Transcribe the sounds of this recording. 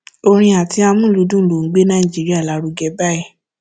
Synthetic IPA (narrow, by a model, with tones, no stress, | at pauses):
o˧ɾ̃ĩ˧a˨tʰi˨˦a˧mũ˦˨lu˧˦dũ˦lo˨ŋ̩˨˦ɡ͡be˦nã˦ĩ˨d͡ʒi˨˦ɾi˦a˦˨la˨˦ɾu˧ɡɛ˧ba˦ɛ˦˨